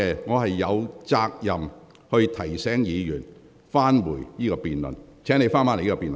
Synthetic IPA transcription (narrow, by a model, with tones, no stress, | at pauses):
ɛ˧ŋɔː˨˧ɦɐ˨jːɐ˨˧wt͡saː˧k̚jɐ˨m | hɵ˧ɥt̪ʰɐ˨˩jsɛː˨˥ŋjiː˨˧jyː˨˩n | faː˥nwuː˨˩jniː˥kɔː˧piː˨˩nlɵ̰˨˩nt͡sʰɛː˨˥ne˨˧jfaː˥nmaː˧˥n˨˩jiː˥kɔ˧piː˨nlə˨